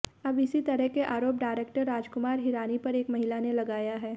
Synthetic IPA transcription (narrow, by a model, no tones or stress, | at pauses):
ɐbɪsit̪ɐɾəɦkeʔaːɾoːp̚ɖaːɪɾeːk̚ʈəɾːaːd͡ʒkʊmaːɾɦɪɾaːnipɐɾeːkmɐɦɪlanelɐɡaːjaɦɛː